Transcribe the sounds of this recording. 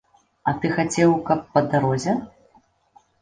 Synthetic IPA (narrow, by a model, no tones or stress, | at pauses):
ɐt̪ɨxat͡sʲɛwkɐpːɐd̪aɾɔzʲɛ